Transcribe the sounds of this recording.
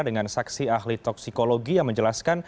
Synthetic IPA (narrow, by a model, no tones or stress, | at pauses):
dəŋansaksiahlit̪ɔksikoloɡijaŋməɲd͡ʒəlaskan